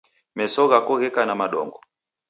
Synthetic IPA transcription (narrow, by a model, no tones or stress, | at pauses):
mɛsɔɣakɔɣɛkanamaɗɔ̰ŋɡɔ